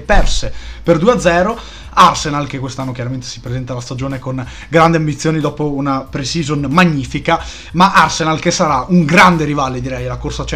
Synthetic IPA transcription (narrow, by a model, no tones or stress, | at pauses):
pɛrseperd̪uːead̪zːɛːɾo | arsenalkekːwest̪anːokjaɾament̪e̥si̥pɾezɛnt̪alast̪ad͡ʒoːnekon | ɡɾand̪iambit̪sːjoːnid̪ɔːpounapɾesizonmaɲːiːfika | maʔarsenalkesaɾauŋɡɾand̪eɾivaled̪iɾɛjlakorsat͡ʃɛ